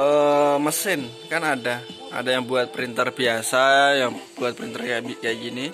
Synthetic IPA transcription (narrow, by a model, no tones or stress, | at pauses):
əməsɪnkanada | a̰dajaŋbuat̪̚pəɾint̪ərbiasajaŋbuat̪̚pəɾint̪ərɡabiɡaɡini